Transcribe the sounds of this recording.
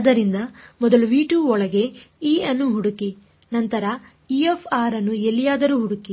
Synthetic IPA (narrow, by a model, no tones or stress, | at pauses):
d̪ɐɾind̪ɐmɔd̪ɐluʋiːʈuːɔɭɐɡe̞iːɐnːuɦuɽuki | nɐnt̪ɐɾɐ | iefʰaːɾɐnːuelːijaːd̪ɐɾuːɦuɽuki